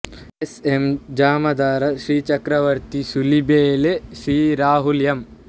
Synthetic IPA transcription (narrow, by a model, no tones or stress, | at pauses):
esemd͡ʒaːmɐd̪aːɾɐʃɾiːt͡ʃɐkɾɐʋɐɾt̪isulibeːleʃɾiːɾaːɦuljɐm